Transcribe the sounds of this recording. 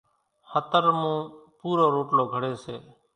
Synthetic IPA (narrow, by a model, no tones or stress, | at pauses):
hət̪əɾmũːpuːɾoːɾoːʈloːɡʱəɽeːseː